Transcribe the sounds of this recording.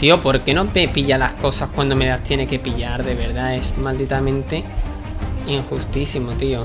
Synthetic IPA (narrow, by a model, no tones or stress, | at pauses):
t̪io̞po̞ɾke̞not̪epiʎalahko̞sahkwand̪o̞me̞last̪jene̞ke̞piʎaɾðe̞β̞e̞ɾðae̞smald̪it̪amẽ̞nt̪e̞ | iŋxust̪isimot̪io